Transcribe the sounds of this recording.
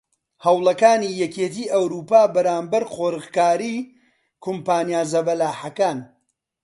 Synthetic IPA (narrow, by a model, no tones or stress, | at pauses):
hɐwlˠɐkaːniːjɛkeːt̪iːʔɐwɾuːpaːbɐɾaːmbɐɾχoːɾɨqkaːɾiː | kʰʊmpaːnjaːzɐbɐlaːħɐkaːn